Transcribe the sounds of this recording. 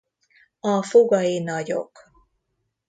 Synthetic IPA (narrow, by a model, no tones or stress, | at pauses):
ɒfoɡɒinɒɟo̰k